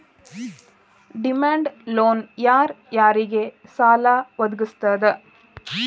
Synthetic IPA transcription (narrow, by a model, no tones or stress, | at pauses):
ɖimaːɳɖloːnjaːɾjaːɾiɡesaːlaːʋɐd̪uɡust̪aːd̪e